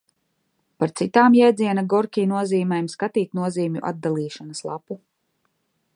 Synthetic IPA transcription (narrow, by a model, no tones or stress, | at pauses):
paɾt̪sit̪aːmjɛjd̪zʲiɛnaɡɔɾkʲiːnuɔziːmɛjmskat̪iːt̪nuɔziːmʲṵʔa̰d̪̚d̪alˠiːʃanɐslˠa̰pu